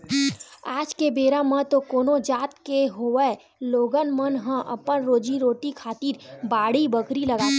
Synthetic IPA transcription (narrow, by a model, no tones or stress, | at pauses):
aːd͡ʒkebeːɾamə̃t̪okoːnod͡ʒaːt̪keɦoɛ | loːɡənmənɦə̃ʔə̰pənɾoːd͡ʒiɾoːʈikʰaːt̪iːɾbaːɽ̤ibəkʰɾiləɡaː